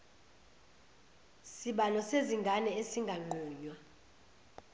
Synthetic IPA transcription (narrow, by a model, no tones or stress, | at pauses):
siɓalɔseziŋɡʱanɛesiŋɡʱaŋ͡ǃʱuːɲwa